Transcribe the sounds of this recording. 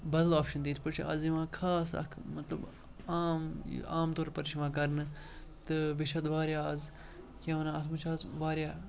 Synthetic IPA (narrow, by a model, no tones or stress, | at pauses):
bɐd̪laːpʃɐnd̪iːt̪ʰpɐt͡ʃʰɐziʋãːkʰaːsɐ̰kʰmɐt̪lɐ̰b | aːm̰aːmt̪oːɾpɐɾt͡ʃʰiʋãːkɐɾnɨ | t̪ɨbɪt͡ʃʰɐd̪ʋaːɾjaːɐz | keʋɐnaːɐt̪ʰmɐt͡ʃʰaːzʋaːɾjaː